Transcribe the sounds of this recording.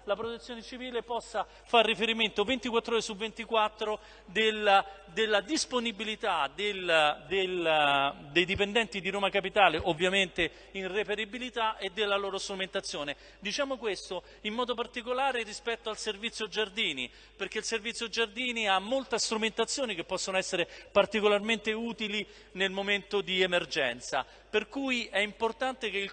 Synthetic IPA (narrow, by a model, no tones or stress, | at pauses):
lapɾot̪et̪sːjoːnet͡ʃiviːlepɔsːa | farːifeɾiment̪ovent̪ikwat̪ːɾoːɾesuvːent̪ikwat̪ːɾo | d̪el | d̪elːad̪isponibilit̪ad̪eld̪el | d̪ejd̪ipend̪ɛnt̪id̪iɾoːmakapit̪aːleʔovːjament̪e | inrepeɾibilit̪aʔed̪elːaloːɾost̪ɾument̪at̪sːjoːne | d̪it͡ʃaːmokwest̪o | imːɔːd̪opart̪ikolaːɾeɾispɛt̪ːoalservit̪sːjod͡ʒard̪iːnḭ | perk̟eilservit̪sːjod͡ʒard̪iːniamːolt̪ast̪ɾument̪at̪sːjoːnik̟epːɔsːonoɛsːeɾepart̪ikolarment̪euːt̪ili | nelmoment̪od̪iemerd͡ʒɛ̰nt̪sa | perkujɛimport̪ant̪ekeil